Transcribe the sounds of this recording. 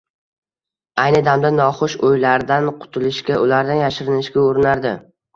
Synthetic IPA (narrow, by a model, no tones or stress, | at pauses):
ajnɪd̪amd̪anɒχʊʃojlaɾd̪anqʰʊ̥t̪ʰɪlɪʃkʲaʔʊlaɾd̪anjaʃɪɾɪnɪʃkʲaɵɾɪnaɾd̪ɪ